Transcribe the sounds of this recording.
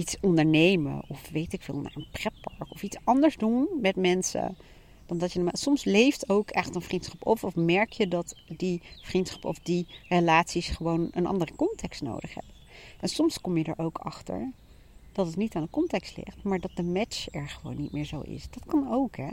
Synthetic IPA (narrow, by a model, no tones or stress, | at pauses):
itsɔndəɹnejmə̰ʔɔfʋejtɪkfɪ̰ːlˠna̰ːrənprɛtpɑɹkɔfitsɑndəɹzdunmɛtmɛnsə̰ | d̥ɑndɑtjənmsɔmslejftowkʰɛχtənvrintsχɑpɔfɔfmɛɹkjədɑtdivrintsχɑ̥pɔ̰fdirəlaːtsisχəʋownənʔɑ̰ndərəkɔntɛkstno̰wdəχɦɛ̰bə | ʔɛnsɔmskɔmjədə̰ɹʔowkʰɑ̰χtə̰ɹ | d̥ɑtətnitaːndəkɔntɛkstlɪ̰χtmaːɹdɑt̚dəmɛt͡ʃɛɹχəʋo̰wnːit̚mɪːɹzo̰wɪ̰sd̥ɑtkɑnowkɦɛ